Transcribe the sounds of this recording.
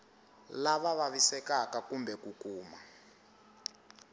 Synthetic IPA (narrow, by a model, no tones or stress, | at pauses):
laβaβaβisɛkakakumbɛkukuːma